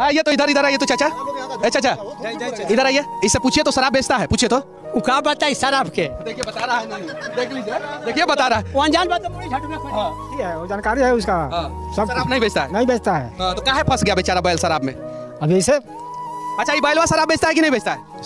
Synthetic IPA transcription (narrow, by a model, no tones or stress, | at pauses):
aijet̪oɪd̪ʱəɾɪd̪əɾaːiet̪ot͡ʃʰat͡ʃʰaɐt͡ʃʰat͡ʃʰa | ɪd̪ʱəɾaːɦieɪsːepuːt͡ʃʰiet̪osɐɾaːbːeːt͡ʃt̪aɦɛpuːt͡ʃʰiet̪o | ukaːbət̪aɪsaɾaːbked̪eːkʰiebɐt̪aɾanɐĩ | d̪ekʰed̪eːkʰiebɐt̪aɾaːɦɛə̃nd͡ʒaːnbaːt̪opuɽid͡ʒʱɐʈmẽkʰuaʈʰiɦɛod͡ʒaːnkaːɾiɦɛʊskaɦã | sɐbsɐɾaːbnɐɦĩbʱeːd͡ʒt̪aɦɛnɐɦĩbʱeːt͡ʃt̪aɦɛ̰ɦãt̪okaɦɛpʰɐsɡɐjabeːt͡ʃaːɾabaːɪlsɐɾaːbmḛ̃ | ɐbʱiɪse | ɐtːʃʰajebaːɪlʋasɐɾaːbːeːt͡ʃt̪aɦɛk̬inɐɦĩbeːd͡ʒt̪aɦɛ